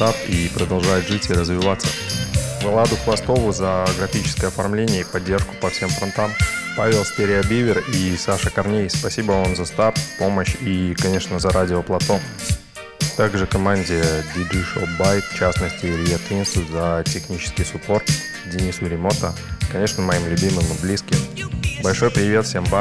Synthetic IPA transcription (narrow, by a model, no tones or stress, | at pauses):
t̪apipɾəd̪ɐlˠʐajɪt̪ʐɨtʲiɾəzvʲɪvat̪sːəvɐlˠad̪ʊklˠɐst̪o̞vʊzəɡɾɐfʲit͡ɕɪ̥skəjəɐfɐrmlʲenʲɪjəipɐdʲːe̞rʂkʊ̥pɐfsʲe̞mfɾɐnt̪ampavʲɪlˠsʲtʲeɾʲɪɐbʲivʲɪrisaʂəkɐrnʲejspɐsʲibəonzɐst̪appːo̞məɕikɐnʲe̞ʂnəzɐɾʔadʲɪoplˠɐt̪o̞m | t̪aɡʐɨkɐmanʲdʲɪjəd̪ʲɪdiʂobajkft͡ɕasnəsʲtʲɪlʲɪjat̪inʲsʊzɐtʲɪxnʲit͡ɕɪ̥skʲɪjsʊpo̞r | dʲɪnʲisʊɾʲɪmo̞t̪ə | kɐnʲe̞ʂnəmɐimlʲʊbʲimɨmɨblʲiskʲɪmbɐlʲʂo̞jpɾʲɪvʲe̞t̪fsʲe̞mva